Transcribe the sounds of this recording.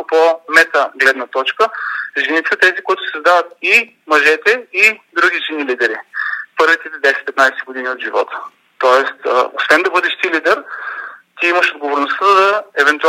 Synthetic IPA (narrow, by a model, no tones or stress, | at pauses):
pomɛt̪əɡlɛd̪nət̪ɔt͡ʃkəʒɛnit̪ɛt̪ɛzikoit̪ʊ̥səzd̪avət̪̚i | mɐʒɛt̪ɛid̪ɾuɡʲiʒinilid̪ɛɾipɤɾvit̪ɛt̪ɛd̪ɛsɛ̥t̪̚pɛt̪najsɛɡod̪iniod̪ʒivɔ̰t̪ə̥ | t̪ɔɛst̪ːo̰svɛnd̪ɐbɤd̪ɛʃt̪ilid̪ɛɾ | t̪iiməʃod̪ɡovoɾnost̪əd̪ɐɛvɛnt̪ua